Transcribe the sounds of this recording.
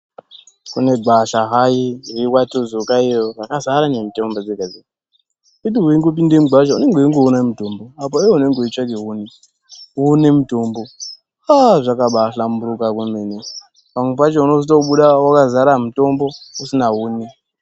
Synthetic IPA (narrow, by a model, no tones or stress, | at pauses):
kune̞ɡʱaɬaɦairiwatozokaijorakazaɾanemitombod͡zeɡaze | iɗiɦuiŋɡop̬indemuɡʱaʒaune̞ŋɡeoiŋɡeunamutomboap̬aijoune̞ŋɡeoit͡ʃakeɦuni | unemutombo̞ | aʐakaɓaɬambuɾukakwumene | pamwep̬at͡ʃeuno̞sitoɓuɗawakazaɾamuto̞mbo̞usinaɦuːni